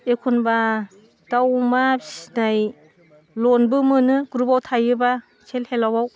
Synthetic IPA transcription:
ekʰunba | d̥awmanaj | lɔnbɯmɯnɯɡuɾubawtʰajɯba | t͡ʃʰelhelawaw

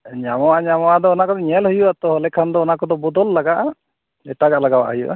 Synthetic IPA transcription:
ɲamɔaɲamɔad̪ɔːnakɔd̪ɔɲɛlhujuat̪ɔɦɔlɛkʰand̪ɔːnakɔd̪ɔbɔd̪ɔlːaɡaʔa | ɛʈaɡaʔlaɡaba̰ʔɦujuʔa̰

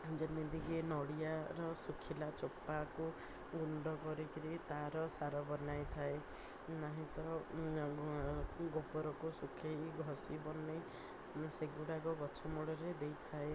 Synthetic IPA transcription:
d͡ʒemid̪iɡenɔɽijaɾɔsukʰilat͡ʃopːaku | ɡuɳɖɔkɔɾikʰiɾit̪aɾɔsaɾɔbɔnajt̪ʰae | naɦĩt̪ɔ | ɡopɔɾɔkusukʰejɡʱɔsibɔne | seɡuɽaɡɔɡɔt͡ʃʰɔmɔɭɔɾed̪ejt̪ʰae

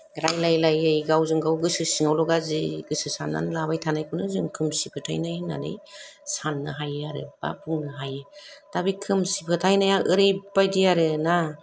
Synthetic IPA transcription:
ɾajlajlajɯjɡawzɯŋɡawɡɯsɯsɯŋawlɔɡaziɡɯsɯsanːa̰nlaβajtʰanajkʰunɯzɯmkʰɯmsipʰɯtʰa̰jnajna̰dɯ̰jsanːɯ̰ɦajaɾɯ̰b̥a̰pʰuŋnɯɦajɯtabikʰɯmsipʰɯtʰajnajaɯɾejbajdijaɾɯna

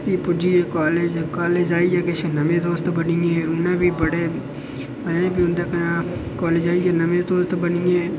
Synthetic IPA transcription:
t̪ipʊd͡ʒiekaːleːd͡ʒkaːleːd͡ʒaːid͡ʒekesenɐmẽd̪oːst̪bɐnĩɛ̃ʊnnẽbʱibɐɽe | mɐẽbʱiʊnd̪eknakɔːleːd͡ʒaːid͡ʒenɐmẽd̪oːst̪bɐnĩẽː

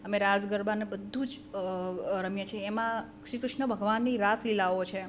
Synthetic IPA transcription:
əmeɾad͡ʒɡəɾbanebəd̪ʱːud͡ʒ | ɾəmjə̃t͡ʃʰeːmã | ʃikɾʊʃnəbʱəɡʋanːiɾasilaot͡ʃʰe

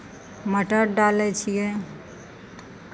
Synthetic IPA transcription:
məʈəɾɖalɛt͡ʃʰije

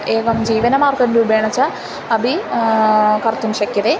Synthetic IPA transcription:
eːɡɐmd͡ʑiːʋɐnɐmaːrkɐɾndubʱeːɳɐt͡ɕːɐ | ɐbi | kɐrt̪ːumɕɐkːjɐðe

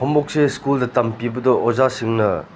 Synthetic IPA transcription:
ombok̚seskuldɐtɐmpibɐdɔʔozasiŋnɐ

